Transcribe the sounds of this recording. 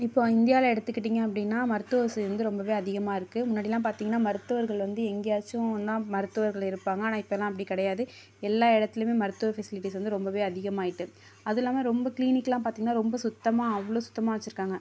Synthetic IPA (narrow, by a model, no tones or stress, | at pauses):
ɪpːoːɪnd̪ɪjaːlɐɛɽɯt̪ːɯkːɪʈːiːŋɡɐɐpːɐɽɪnːaːmɐɾɯt̪ːʊɐsɾɐnd̪ɯɾɔmbɐʋeːɐðɪɣɐmaːɪɾɯkːɯmʊnːaːɽɪɛlːãːpaːɾt̪iŋɡɐnːaːmɐɾɯt̪ːɯʋɐɾɣɐɭʋɐnd̪ɯɛŋɡejaːt͡ʃːʊ̃d̪ãːmɐɾɯt̪ːɯʋɐɾɣɐɭɪɾɯpːaːŋɡɐnãːɪpːɐɛlːãːɐpːɐɽikɪɽɐjaːðɯ | ɛlːaːɛɽɐt̪ːɪlɯmeːmɐɾɯt̪ːɯʋɐfɛsɪlɪʈːiːsʋɐnd̪ɯɾɔmbɐʋeːɐðɪɣɐmaːjɪʈːɯ | ɐðɪlːaːmɐɾɔmbɐkliːnɪkːɐlãːpaːɾt̪iːŋɡɐnːaːɾɔmbɐsʊt̪ːɐmaːɐʋːɐɭoːsʊ̥t̪ːɐmaːʋɐt͡ʃːɪɾɯkːaːŋɡɐ